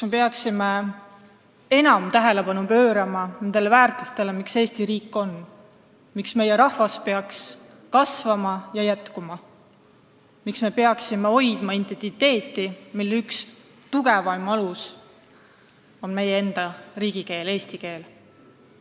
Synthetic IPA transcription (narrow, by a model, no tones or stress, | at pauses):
sme̞pe̞ɑksime | e̞nɑmt̪æɦe̞le̞pɑnupø̞ːɾɑmɑne̞nd̪̥e̞lvæːrt̪ˑust̪e̞lemikse̞ːst̪iɾiːkːˑo̞n | miksme̞jeɾɑhvɑspe̞ɑks | kɑsvɑmɑjɑjæt̪kumɑ | miksme̞pe̞ɑksimeo̞jd̪̥mɑint̪ent̪it̪ːe̞ːt̪ːˑimilːyks | t̪uɡe̞vɑjmɑlus | o̞nme̞jee̞nd̪̥ɑriːɡ̥ike̞ːle̞ːst̪ike̞ːl